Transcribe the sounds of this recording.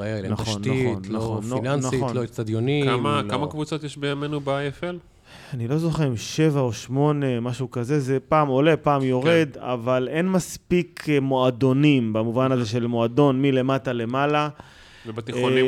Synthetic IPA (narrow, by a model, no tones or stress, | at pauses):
naχonaiχonːlaχonːlannaolostad̪jonikamakamakvut͡sot̪jeʃbejamenubeaefel | anilo̞zo̞χeʁimʃe̞vaoʃmo̞ne̞maʃukaze̞zepaːmo̞le̞paːmjo̞ʁe̞d̪a̰vale̞nmaspikmo̞ado̞nimbamuvanaze̞ʃe̞lmo̞ado̞nmile̞matale̞mala | vebat̪iχoni